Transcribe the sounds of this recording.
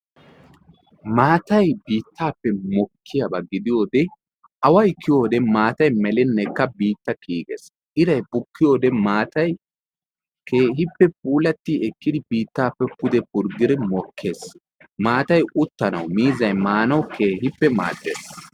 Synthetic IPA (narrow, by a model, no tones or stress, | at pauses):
maːt̪ɐjbiːt̪ːaːpːɛmɔkʰːɪjɐbɐɡɪd̪ɪjo̞ːd̪ɛ | ɐwɐjkɪjo̞ːd̪ɛmaːt̪ɐjmɛlɛnːɛjkːɐbiːt̪ːɐkiːkʼḛs | ʔɪɾɐjbʊkːɪjo̞ːd̪ɛmaːt̪ɐj | kʰeːɦɪpːɛp̚uːlɐt̪ːiɛkːɪd̪ɪbiːt̪ːaːpːɛpʊd̪ɛpʊɾɡɪɾɛmɔkʰːe̞ːs | maːt̪ɐjʊt̪ːɐnɐ̰wmiːzɐjmaːnɐwkʰeːɦɪpːɛma̰ːd̪ːḛːs